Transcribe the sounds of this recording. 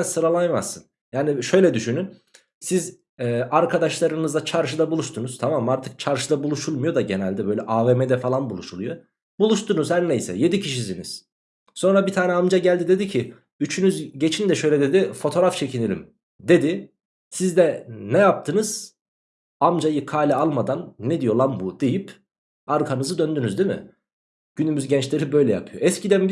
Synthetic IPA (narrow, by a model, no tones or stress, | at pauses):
nsɯɾalˠajmasːɯn | jaːniʃø̞jlʲɛd̪yʃynyn | siz | ɛːaɾkʰad̪aʃlˠaɾɯnɯzd̪at͡ʃʰaɾʃɯd̪abulˠuʃt̪ʰunuz̥t̪ʰamamaɾt̪ʰɯk̚t͡ʃʰaɾʃɯd̪abulˠuʃulˠmujo̞d̪aɟe̞nælʲd̪ɛbøjlʲɛʔavemed̪ɛfalˠanbulˠuʃulˠujo̞ | bulˠuʃt̪unuzhæɾnejsɛ̰je̞d̪icʰiʃis̬inḭz̥ | so̞nɾabit̪ʰaːnɛamd͡ʒaɟælʲd̪id̪e̞d̪icʰi | yt͡ʃʰynyzɟe̞t͡ʃʰind̪ɛʃø̞jlʲɛd̪ed̪ifo̞t̪ʰo̞ɾaft͡ʃʰecʰinelʲḭm | d̪e̞d̪ɪ | sizd̪ɛnɛjap̚t̪ʰɯnɯz̥ | amd͡ʒajɯkʰaːlʲɛalˠmad̪anːed̪ijo̞lˠanbud̪̥e̞jip | aɾkʰanɯzɯd̪ønd̪ynyzd̪imɪ̰ | ɟ̥ynymyzɟɛnt͡ʃlʲe̞ɾibø̞jlʲɛja̰pʰɯjo̞̰ʔɛscʰid̪æn